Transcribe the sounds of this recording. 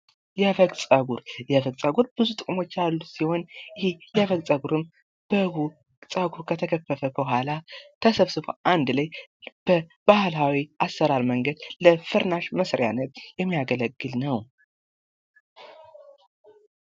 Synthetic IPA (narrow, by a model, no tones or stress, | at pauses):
jɛfəɡsʼəɡuɾjɛfəɡsʼəɡuɾb̥ɨzut̪ʼɨkʼumo̞t͡ʃːalːusiho̞njɪhijɛfəɡt͡sʼəɡuɾɨm | b̥əɡ | sʼəɡuɾkʰət̪ʰəkʰəfːəfəbəhʷalat̪ʰəsəβsɨbo̰ʔand̪lajb̥əb̥ahlawiʔasːəɾaɾməŋɡəd̪ləfɨɾnaʃməsɾja̰nət̪jɛmːijaɡələɡːɨlnəw